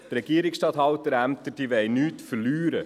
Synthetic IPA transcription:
t̪ɾɛɡ̥iːɾɪksʃtɑːt̪hɑwt̪əɾæmt̪ədiʋɛɪnyːt̪fəɾlyːɾə

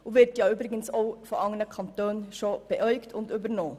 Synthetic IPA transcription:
oːʋɪɾtjɑːyːbɾɪɡənsoʊfɔʔɑŋələkʰɑnt̪øːnʃoːb̥əʔœʏɡt̪ʰʊnt̪yːbəɾnoː

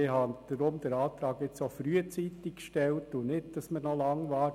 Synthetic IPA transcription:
ɪɦɑnd̪̥əɾʊmd̥̪əɾɑːt̪ɾɑːɡɪt͡sofɾyət͡sit̪ikʃtɛltːunɪt̚d̥ɑsməɾnɔlɑŋʋɑːɾ

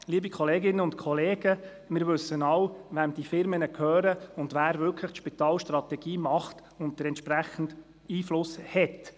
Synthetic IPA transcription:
liːəbikʰɔleːɡɪnːəʊntkʰɔleːɡ̥ə | mɪːɾʋɵsənɑwʋæmd̥ifɪɾmənəkʰøːɾəʊndʋæːɾvʏlkʰlɪχtʃpit̪ɑːlʃtrɑt̪ɛɡ̥iːmɑχt | ʊnt̚d̥əɾɛntʃpræχən̩d | iːflʊshɛt

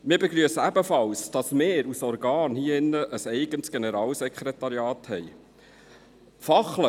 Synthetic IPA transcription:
mɪːɾbɛɡɾyəsəæbəfɑlsd̥ɑsmɪːɾusɔɾɡɑːnhiːɪnːəʔəsɛɪɡəntsɡ̥enɛɾɑːlsɛkχɾetɑɾjɑːthɛj | fɑχlə

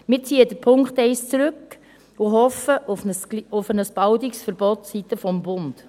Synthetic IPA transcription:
mɪɾt͡siːədəɾpʰʊŋkχtɛɪst͡sɾʉk | ʊɦɔfəʔufəsʊfənəsb̥ɑwdiksfəɾb̥ɔtsitəfɔmbʊnd̥

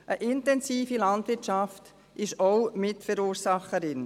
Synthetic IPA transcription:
ʔəʔɪntɛnsiːfilɑndʋɪɾt͡ʃɑft | ʔɪʃoʊmɪtfəɾuːɾsɑχəɾɪn

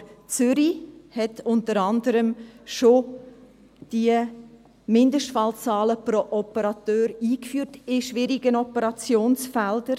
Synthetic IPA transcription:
t͡sʏɾihɛtʊntəɾɑndəɾəmʃo | d̥iə | mɪndəʃtfɑlt͡sɑːləprɔʔɔpəɾɑtøːɾiːkfyːtɪʃʋɪɾiɡ̥ənɔpəɾɑt͡sjoːnsfɛldəɾ

